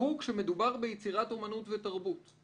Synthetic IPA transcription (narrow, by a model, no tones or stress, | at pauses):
hukʃeme̞dubaʁbejet͡siʁato̞manutvetaʁbut